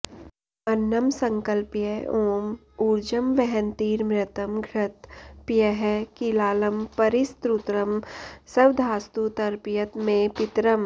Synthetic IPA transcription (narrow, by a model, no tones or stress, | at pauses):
ɐnːɐmsɐ̃ŋkəlpjɛoːm | uːɾd͡ʒɐmʋɛɦɛnt̪iːɾmɾɪt̪ɐmɡʱɾɪt̪pjɐɦɛkilaːlɐmpɐɾɪst̪ɾut̪ɾɐmsɐʋd̪ʱaːst̪ut̪ɐɾpijət̪mẽpɪt̪ɾɐm